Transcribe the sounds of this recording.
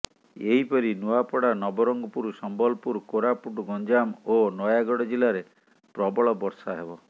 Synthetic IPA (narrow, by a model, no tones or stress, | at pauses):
eɦipɔɾinoapɔɽanɔbɔɾɔŋɡɔpuɾusɔmbɔlpuɾkoɾapuʈuɡɔnd͡ʒamonɔjaɡɔɽɔd͡ʒilaɾe | pɾɔbɔɭɔbɔɾsaɦebɔ